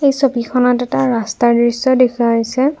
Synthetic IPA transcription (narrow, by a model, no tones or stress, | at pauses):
ejsobikʰɔnatɛtaɹastaɹdɹisɔdekʰuaɦisɛ